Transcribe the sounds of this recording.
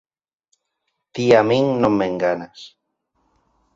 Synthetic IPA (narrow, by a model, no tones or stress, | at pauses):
t̪iamĩŋnõmːeŋɡanas